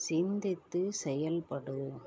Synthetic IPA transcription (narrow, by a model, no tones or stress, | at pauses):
sɪnd̪ɪt̪ːɯsɛjɐlpɐɽɯ